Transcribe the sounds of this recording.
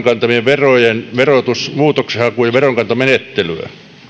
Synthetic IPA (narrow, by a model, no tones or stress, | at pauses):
ŋkɑnt̪ɑmieʋʋerojenʋerot̪usmuːt̪oksehɑkujɑʋeroŋkɑnt̪ɑmenet̪ːelyæ̰